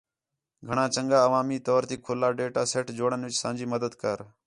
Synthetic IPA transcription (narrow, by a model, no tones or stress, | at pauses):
ɡʱəɳãːt͡ʃəŋɡaːəʋaːmiːt̪ɔːɾt̪iːkʰoːlaːɖeːʈaːseːʈd͡ʒoːɽənʋɪt͡ʃsãːnd͡ʒiːməd̪əd̪kəːɾ